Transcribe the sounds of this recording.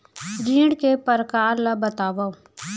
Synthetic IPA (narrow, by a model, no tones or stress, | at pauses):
ɾĩːɽkepəɾkaːɾlabət̪aːʋa